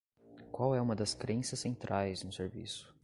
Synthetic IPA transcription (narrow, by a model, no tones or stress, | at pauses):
kwawɛũmɐd̪ɐskɾẽsɐsːẽnt̪ɾʔajznʊseɾvḭsʊ̥